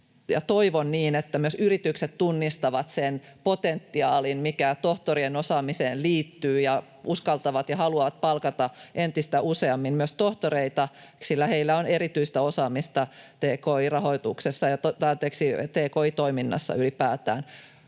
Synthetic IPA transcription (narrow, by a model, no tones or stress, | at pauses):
jɑ̰t̪oiʋonniːnet̪ːæmyøsyrit̪ykset̪t̪unːist̪ɑʋɑt̪sen | pot̪ent̪ːiɑːlinmikæt̪oht̪orienosɑːmiseːnliːt̪ːyːjɑ | uskɑlt̪ɑʋɑt̪jɑhɑluɑʋɑt̪̚pɑlkɑt̪ɑʔent̪ist̪æʔuseɑmːimmyøst̪oht̪oɾeit̪ɑ | silːæheilːæoneɾit̪yist̪æosɑːmist̪ɑt̪eːkoirɑhoit̪uksesːɑjɑt̪t̪ɑt̪eːksit̪eːkoit̪oiminːɑ̰sːɑ̰ylipæːt̪æ̰ːn